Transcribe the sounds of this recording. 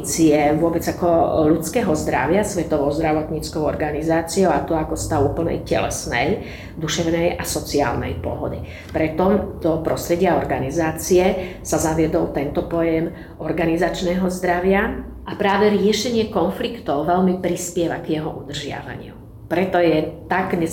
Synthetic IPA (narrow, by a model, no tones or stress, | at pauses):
t͡siɛʋʊɔbɛd͡zakɔlut͡skɛːɦɔzd̪ɾa̰ʋɪasʋɛt̪ɔʋɔʊzd̪ɾaʋɔt̪ɲiːt͡skɔʊɔɾɡanizaːt͡siɔʊat̪ɔakɔst̪aʊuːpl̩nɛ̰jcɛ̰lɛ̰snɛj | d̪uʃɛʊnɛjʔasɔt͡sia̰ːlnɛ̰jpɔ̰ɦɔd̪i | pɾɛt̪ɔmd̪̥ɔpɾɔst̪ɾɛɟɪaɔɾɡanizaːt͡siɛsazaʋɪɛd̪ɔlt̪ɛnt̪ɔpɔjɛm | ʔɔɾɡanizat͡ʃnɛːɦɔzd̪ɾaʋɪa | ʔapɾaːʋɛɾɪɛʃɛɲɪɛkɔnflikt̪ɔʊʋɛlmipɾispɪɛʋaɡjɛɦɔ̰ʔud̪r̩ʒɪa̰ʋa̰ɲɪṵ | pɾɛt̪ɔjɛt̪aɡɲɛ